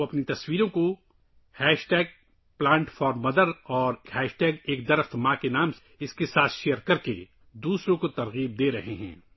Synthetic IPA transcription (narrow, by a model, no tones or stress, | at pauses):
ɐpnit̪ɐswiːɾõko | hɛːʃʈɛːɡ̚ | plãːɳʈfɔːɾmːɐd̪əɾɔːɾhɛːʃʈɛːɡeːk̚d̪ɐɾəxt̪mãkenaːm | ɪskesaːt̪ʰʃejəɾkɐɾke | d̪uːsɾõkot̪ɐɾɣiːb̚d̪eːɾɐɦeɦɛ̰̃ː